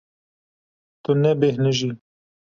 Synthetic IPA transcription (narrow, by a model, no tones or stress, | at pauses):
t̪ʊnebehnəʒi